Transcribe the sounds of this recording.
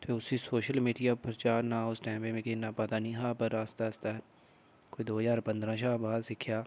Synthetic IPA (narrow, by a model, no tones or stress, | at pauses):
t̪ʰeːʊsiːsoːʃəlmiːɖijaːpɾt͡ʃaːɾnãːʊsʈɛ̃ːmbẽmẽkɪnːaːpət̪aːnĩːɦaːpəɾaːst̪aːst̪aːɦɛ | koːid̪oːzaːɾpə̃nd̪ɾãːʃaːbaːd̪sɪkʰːjaː